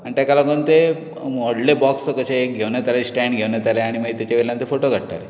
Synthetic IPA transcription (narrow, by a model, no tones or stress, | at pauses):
anit̪jakalakənt̪e | mɔɽlebɔksəkəɕeɡʱeʋnjat̪alesʈɛɳɖɡʱeʋnat̪aleaɽ̃iməɡit̪jat͡ɕaʋelant̪efoʈoɡʱəɽʈa̰le